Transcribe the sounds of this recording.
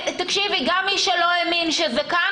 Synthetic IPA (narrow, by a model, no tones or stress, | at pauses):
t̪ɐkʃiviɡamːiʃɛloeminʃezɛka